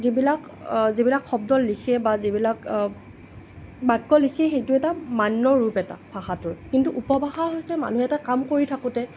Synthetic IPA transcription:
zibilak | zibilakʰxɔbdɔlːikʰɛbazibilak | bakːɔlikʰɛxejtʊɛtamanːɔɹupɛta̰pʰaxatʊɹkintuʔupɔbʱaxaɦojsɛma̰nuɦɛtakamkoɹitʰakʊtɛ

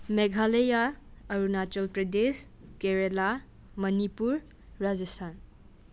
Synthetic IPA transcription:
meɡʱalejaːɾunat͡ʃɔlpɾɐdes | keɾela | mɐnipuɾː | ad͡ʒʌstʰan

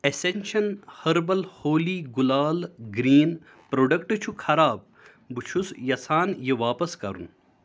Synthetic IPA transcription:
esenʲʃɐnhɐɾbɐlhoːliːɡulaːlɡɾiːn | pɾoːɖɐkʈɨt͡ʃʰukʰɐɾaːb̚ | bɨt͡ʃʰusjɐsaːnjeʋaːpɐskɐ̰ɾṵn

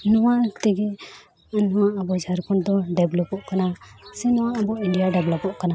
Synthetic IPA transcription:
nɔwaʔt̪ɛɡɛ | nɔwaʔabɔd͡ʒʱaɾkɔɳd̪ɔɖɛblɔpɔʔkanasɛnɔwaʔːbɔiɳɖijaɖɛblɔpɔʔkana

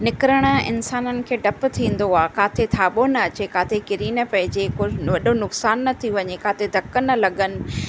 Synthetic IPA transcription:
nɪkɾəɽ̃̆ɪ̰nsaːnənɪ̆kʰeːɖʱɐp̆t̪ʰĩːn̆d̪oaːkaːt̪ʰet̪ʰaːɓonɐɐt͡ɕekaːt̪ʰekɪɾiːnɐpɐ̃ɦɪd͡ʑekoʋɐɗonʊksaːnːɐt̪ʰiʋɐɲekaːt̪ʰed̪ʱɐkːənːɐlɐɡənɪ̆

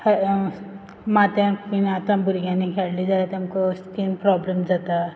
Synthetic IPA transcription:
h | mat̪ãkuniat̪ãbʱuɾɡjãnikʰeɽlid͡zaet̪amkoskinpɾɔblemd͡zat̪a

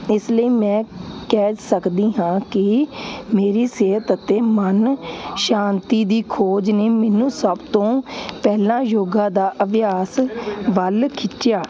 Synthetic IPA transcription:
ɪsləiːmɛ̃ːkɛːsəkd̪iːɦãːkɪmeːɾiːseːət̪ət̪eːmənʃaːnt̪iːd̪iːkʰoːd͡ʒneːmɛːnũːsəbt̪õːpɛːlãːjoːɡãːd̪aːʔəbjaːsʋəlkʰɪt͡ʃɪjaː

